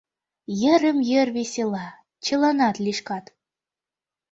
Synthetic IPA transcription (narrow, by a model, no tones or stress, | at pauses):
jɘ̆ɾɘ̆mjɘ̆rvesʲelˠɑ | t͡ɕɤ̆lɑnɑt̪lʲiʃkɑt̪